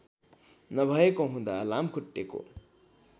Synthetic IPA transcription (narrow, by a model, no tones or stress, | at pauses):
nʌbʱʌekoɦũd̪a̰lamkʰuʈːeko̰